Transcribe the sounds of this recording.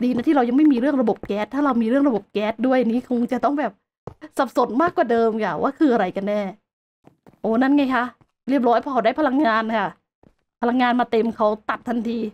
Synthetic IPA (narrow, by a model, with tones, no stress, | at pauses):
diː˧na˦˥t̪ʰiː˥ɾa˧wja˧ŋma˥˩jmiː˧ɾɯ˥˩əŋɾa˧bo˨˩p̚kɛː˦˥t̪ʰːaː˥˩ɾa˧wmiː˧ɾɯ˥˩əŋɾa˧bo˨˩p̚kɛː˦˥t̪̚du˥˩əjʔa˨˩niː˦˥kʰo˧ŋt͡ɕa˨˩t̪ɔ˥˩ŋbɛː˨˩p̚ | sa˨˩p̚so˨˩˦nmaː˥˩kwaː˨˩dɤː˧mkʰa˥˩wa̰ː˥˩kʰɯː˧ʔa˧ɾa˧jka˧nːɛː˥˩ | ʔoː˨˩na˥˩nŋa˦˧˥jkʰa˦˥ | ɾi˥˩əp̚ɾɔː˦˥jpʰɔː˧˩ka˧˩˦da˥˩pʰa˧la˧ŋːaː˧nkʰa˥˩ | pʰa˧la˧ŋːaː˧nmaː˧t̪e˧mkʰa˦˥wt̪a˨˩t̪ʰːa˧nt̪ʰiː˧